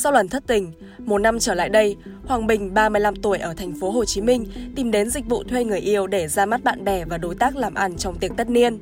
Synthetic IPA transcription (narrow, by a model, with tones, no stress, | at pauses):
sa˧wlwə˧˩nt̪ʰə˦˥t̚t̪ï˨˩ŋ̟ | mo˨˩t̚na˧mt͡ɕəː˧˩la̰ː˧˨jɗə˧jhwaː˨˩ŋɓï˨˩ŋ̟ɓaː˧mɨ˧əjla˧mt̪u˧˩əjʔəː˧˩t̪ʰɛ˨˩ŋ̟fo˨˦ɦo˨˩t͡ɕi˨˦mï˧ŋ̟t̪i˨˩mɗe˨˦nzï˨˩k̟̚vṵ˧˨t̪ʰwe˧ŋɨ˨˩əjʔi˧əwɗe˧˩zaː˧ma˦˥t̚ɓa̰ː˧˨nɓɛ˨˩vaː˨˩ɗo˨˦jt̪aː˦˥k̚laː˨˩mʔa˧nt͡ɕɔ˧wŋ͡mt̪i˨˩ək̚t̪ə˦˥t̚ni˧ən